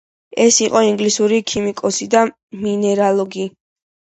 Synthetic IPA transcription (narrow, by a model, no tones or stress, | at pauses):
ɛsiqʼɔiŋɡlisuɾikʰimikʼɔsid̪a | minɛɾalˠɔɡi